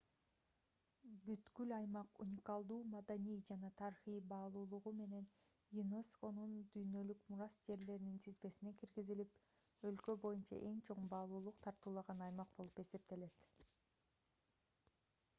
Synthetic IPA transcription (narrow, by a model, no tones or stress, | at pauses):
byt̪kylɑjmɑqṵnʲɪkɑlˠd̪uːmɑd̪anijd͡ʒɑnɑt̪ʰɑɾiχijbɑːlˠuːlˠuʁume̞ne̞n | jinosko̞nund̪yjnø̞lykmuɾɑsd͡ʒe̞ɾle̞ɾinint̪ʰizbe̞sine̞kiɾɡizilip | ø̞lkø̞bo̞junt͡ʃɑ̰ʔe̞ŋt͡ʃʰo̞ɴbɑːlˠuːlˠuqt̪ʰɑɾt̪uːlˠɑʁɑnɑjmɑq̚bo̞lˠu̥pe̞se̞p̚t̪e̞le̞t̪